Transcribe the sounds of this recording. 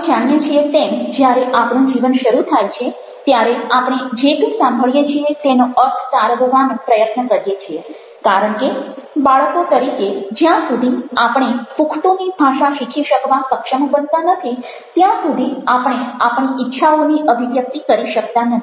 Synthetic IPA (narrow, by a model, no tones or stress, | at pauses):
d͡ʒaɽ̃jet͡ʃʰiet̪emd͡ʒjaɾeʔapɽ̃ũd͡ʒiʋənʃəɾut̪ʰajt͡ʃʰe | t̪jaɾeapɽ̃ed͡ʒekisãmbʱəɭjet͡ʃʰiet̪enoətʰsaɾbʱəʋanpɾəjət̪nəkəɾjet͡ʃʰie | kaɾəɳkebaɭəkot̪əɾiked͡ʒjãsud̪ʱiapɽ̃epukʰt̪onibʱaʃaʃikʰiʃəkʋasəkʃəmbənt̪anət̪ʰi | t̪jãsud̪ʱiapɽ̃eapɳ̃iɪtːʃʰaoniʔəbʱiʋjək̚t̪ikəɾiʃək̚t̪anət̪ʰi̥